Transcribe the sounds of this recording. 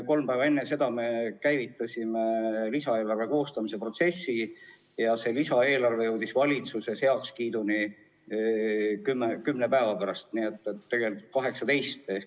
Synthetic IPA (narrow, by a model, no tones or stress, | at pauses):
ko̞lmpæːvɑe̞nːese̞d̪̥ɑme̞kæjvit̪ːˑɑsʲimelisɑeːlɑrve̞ko̞ːst̪ɑmise̞pro̞t̪se̞sːi | jɑse̞ːlisɑe̞ːlɑrve̞jewd̪isvɑlʲit̪suse̞she̞ɑkskiːd̪uni | kymːekymnepæevɑpæɾɑst̪nie̞t̪ːet̪ːe̞ɡe̞lʲikut̪̚kɑɦe̞ksɑt̪e̞jst̪